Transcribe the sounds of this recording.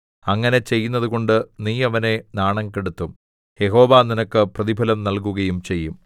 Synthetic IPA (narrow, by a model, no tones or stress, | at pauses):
ɐŋːɐne̞t͡ɕe̞jːun̪ːɐðuɣo̞ɳɖɨniːɐʋɐne̞naːɳɐŋkeɽut̪ːum | je̞ɦo̞ːʋaːninɐkːɨprɐðibʱɐlɐmnɐlk̬uɣɐjumt͡ɕe̞jːum